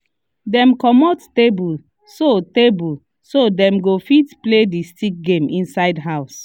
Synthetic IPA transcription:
dɛ̃mkɔmɔttebul | sotebul | sodɛ̃mɡofitpledistik̚ɡẽmĩnsaɪdɦaʊs

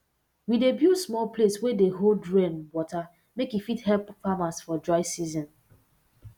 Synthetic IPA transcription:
widebjusmɔlpleswedeɦoldɹẽnwɔta | mekjufithɛlpfamasfɔd͡ʒɔɪsizɔ̃n

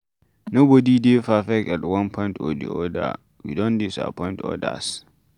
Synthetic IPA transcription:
nobɔdidefafɛkɛtwãnpʰɔ̃j̃ntɔdḭɔda̰ | wḭdɔ̃ndisa̰pʰɔ̃j̃ntʰɔ̰da̰s

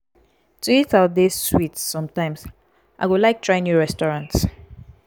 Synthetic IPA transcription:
tʰuitatdesːwitssɔ̃mtãɪ̃ms | ʔa̰ɪwulaɪk̚tʰɹaɪ̃njuɹɛstɔɹãnts

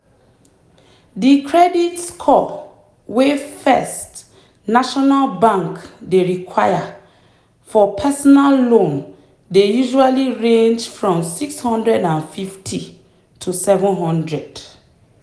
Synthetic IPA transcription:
dikʰɹɛditskʰɔ | wefɛst | naʃɔnalbãŋkdeɹikʰwaja | fɔpʰɛsɔnalːõn | dejuʒualiɹẽnd͡ʒfɹɔ̃msikshɔ̃ndɹɛdãnfiftʰi | tʰusɛvɔ̃nɦɔ̃ndɹɛd̥

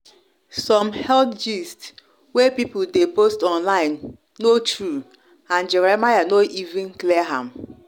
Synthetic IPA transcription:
sɔ̃mhɛldd͡ʒist | wɛpipʊldepostɔ̃nlaɪ̃nː | otɹu | ãnd͡ʒɛɹɛmajanoʔivɪ̃nklɛɦãm

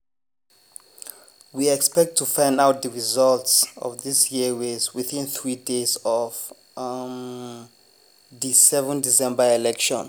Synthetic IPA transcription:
wiɛkspɛk̚ttʰːufãj̃ndawt̚dəɹizaltsɔ̰fdisjiwezwiθĩnθɹidezɔv | disɛvɛ̃ndisɛ̃mbaɛlɛkʃɔ̰̃n

